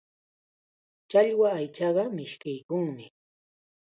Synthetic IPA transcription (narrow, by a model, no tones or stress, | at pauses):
t͡ʃaʎwaːjt͡ʃɑɢɑmɪʃkɪjkʊŋmɪ